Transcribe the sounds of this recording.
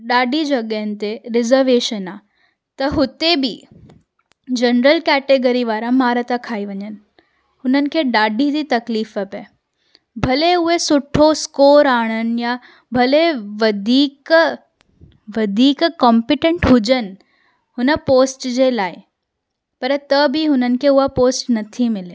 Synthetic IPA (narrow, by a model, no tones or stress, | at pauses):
ɗaːɖʱid͡ʑɐɠəɦənɪ̆t̪eɾɪzəɾʋeːʃənaː | t̪ɐɦʊt̪ebɪ | d͡ʑɐnɾəlkɛːʈeɡəɾiʋaːɾãmaːɾət̪akʰaːiʋɐɲənɪ̆ | hʊnənɪ̆kʰeːɗaːɖʱid̪it̪ɐkliːfɐpə | bʱɐleʊɦesʊʈʰoskoːɾaːɽ̃ənɪ̆ja | bʱɐleʋɐd̪ʱiːk | ʋɐd̪ʱiːkkɔ̃ːmpɪʈẽɳʈɦʊd͡ʑənɪ̆ | hʊnəpoːsʈd͡ʑeːlaːɪ | pɐɾt̪ɐbʱiɦʊnənɪ̆kʰeʊɦapoːsʈnɐt̪ʰimɪle